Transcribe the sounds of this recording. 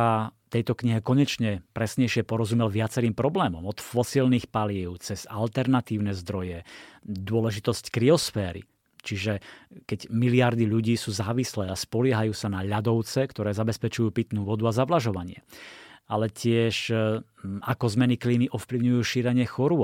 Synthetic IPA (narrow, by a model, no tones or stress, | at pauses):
at̪ɛjt̪ɔkɲiɦɛkɔɲɛt͡ʃɲɛpɾɛsɲɛjʃɪɛpɔɾɔzumɛlʋɪat͡sɛɾiːmpɾɔblɛːmɔmɔt̪fɔsilniːxpalɪiʊt͡sɛz̥alt̪ɛɾnat̪iːʊnɛzd̪ɾɔjɛd̪ʊɔlɛʒit̪ɔsckɾiɔsfɛːɾḭ | t͡ʃiʒɛkɛɟmiliaɾd̪iʎuɟiːsuːzaːʋislɛːaspɔlɪɛɦajuːsanaʎad̪ɔʊt͡sɛkt̪ɔɾɛːzabɛspɛt͡ʃujuːpit̪nuʋɔd̪uazaʋlaʒɔʋaɲɪɛalɛcɪɛʃ | akɔzmɛnikliːniʔɔfpliʊɲujuːʃiːɾɛɲɪɛxɔɾʊɔ